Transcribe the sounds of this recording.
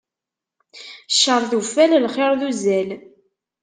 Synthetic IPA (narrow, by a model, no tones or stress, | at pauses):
ʃːəɾˤðufællχɪɾˤðuzæl